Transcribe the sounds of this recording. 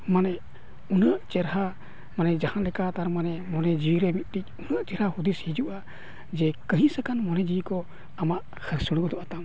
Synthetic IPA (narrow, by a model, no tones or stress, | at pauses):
manɛʔ | unəʔt͡ʃɛɾɦa | manɛd͡ʒahanlɛkat̪aɾmanɛmɔnɛd͡ʒiwiɾɛmit̪̚ˀt̪ic̚unəʔt͡ʃɛɾhahud̪ishid͡ʒuʔa | d͡ʒɛkəɦĩsakanmɔnɛd͡ʒiwikɔ | amaʔ | kʰəɾsuɽ̃ɡɔd̪ɔʔat̪am